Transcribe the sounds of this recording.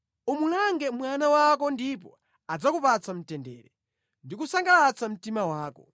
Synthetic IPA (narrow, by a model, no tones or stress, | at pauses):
umulaŋɡɛmwanawakɔndipɔ | ad͡zakupat͡sam̩tɛndɛ̰ːɾɛ | ndikusaŋɡalat͡sam̩timawaːkɔ